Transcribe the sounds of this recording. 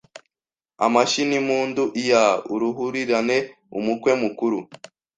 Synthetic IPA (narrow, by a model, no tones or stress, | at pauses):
a̰maʃinimuːnduʔijauɾuɦuɾiɾane̞ | ṵmukwe̞mukuɾu